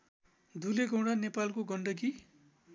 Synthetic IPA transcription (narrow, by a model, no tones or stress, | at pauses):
d̪ʱuleɡʌ̃w̃ɽanepalkoɡʌɳɖʌɡi